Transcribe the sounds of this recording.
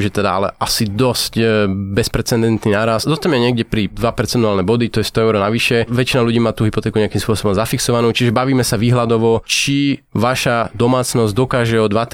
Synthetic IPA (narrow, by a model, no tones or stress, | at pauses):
ʒɛt̪ɛd̪aalɛ̰ʔasid̪ɔscbɛspɾɛt͡sɛnd̪ɛnt̪ninaːɾasd̪ɔt̪amɛɲɪɛɡɟɛpɾid̪ʋapɛɾt͡sɛnt̪ualnɛbɔd̪it̪ɔjɛst̪ɔɛʊɾɔnaʋiʃɛʋɛt͡ʃinaluɟiːmaːt̪uːɦipɔt̪ɛːkuɲɛakimspʊɔsɔbɔmzafiksɔʋanuːt͡ʃiʒɛbaʋiːmɛsaʋiːɦlad̪ɔʋɔt͡ʃi | ʋaʃad̪ɔmaːt͡snɔzɟd̪ɔkaːʒɛɔd̪ʋat̪